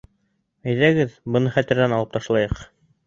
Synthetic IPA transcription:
æjðæɡɘðbɤ̆nɤχæt̪ɘ̆ɾðænɑlˠɤp̚t̪ɑʃlˠɑjɤq

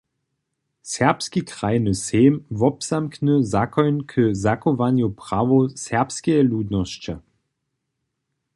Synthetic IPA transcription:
sɛʁpskikʁajnəseːmvɔpsamknəzakɔjnkʰəzakɔʋanjupʁ̥aʋosɛʁpskɛɛluːd̪nɔst͡ʃa

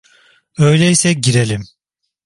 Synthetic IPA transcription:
ø̞jlʲɛisɛɟiɾelʲim

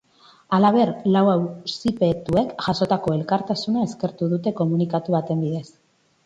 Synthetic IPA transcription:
alaβ̞e̞ɾlawawsipe̞t̪ue̞kʝaso̞t̪ako̞e̞lkaɾt̪asunae̞ske̞ɾt̪uðut̪e̞ko̞munikat̪uβat̪e̞mbiðe̞s

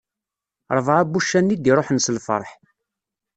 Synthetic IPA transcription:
ɾˤvʁæbːuʃːænːid̪iɾˤoħnsəlfə̰ɾˤħ

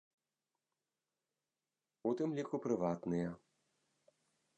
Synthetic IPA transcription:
ut̪ɨmlʲikupɾɨʋat̪nɨjɐ

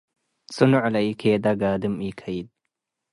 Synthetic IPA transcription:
sunuʕlaikʰeːd̪aɡaːd̪ɨmikʰajid̪̚

